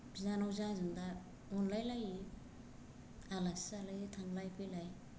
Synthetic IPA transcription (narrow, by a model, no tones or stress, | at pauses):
zanawzazɯnda | ɔnlajlaji | alasalajitʰaŋɡlajpʰɯjlaj